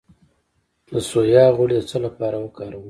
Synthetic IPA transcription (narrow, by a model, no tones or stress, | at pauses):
d̪əsojɑɣʊɽed̪ət͡səlapɑɾawəkɑːɾawə